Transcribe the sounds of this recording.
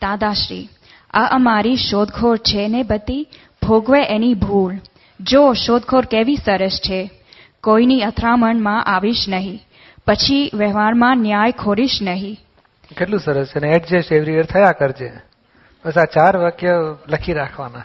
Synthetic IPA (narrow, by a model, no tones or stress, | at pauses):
d̪̥ad̪aʃɾḭ | əʔəmaɾiʃod̪ɡʰʱoɾt͡ʃʰenebət̪i | bʱoɡʋeʔenibʱul | d͡ʒoʃod̪ɡʰʱoɾkeʋisəɾəst͡ʃʰe | koiniət̪ʰɾaməɳmãʔaʋiʃnəɦĩ | pət͡ʃʰiʋəɦʋaɾmãnjajkʰoɾiʃnəɦĩ | keʈlũsəɾəst͡ʃʰeneeʈd͡ʒeʃeʋɾiəɾt̪ʰəjakəɾd͡ʒe | bəsat͡ʃaɾʋəkjələkʰiɾakʰʋana